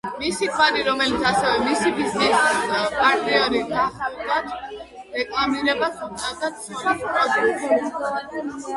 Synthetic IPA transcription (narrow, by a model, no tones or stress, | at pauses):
misit̪ʰwad̪iɾɔmɛlit̪sʰasɛvɛmisipizispʼaɾt̪ʼiɔɾid̪ʰaχd̪at̪ʰ | ɾɛkʼlˠamiɾɛbasʰut̪ʼɛlˠt̪at̪sɔɾispʼɾɔd̪ukt̪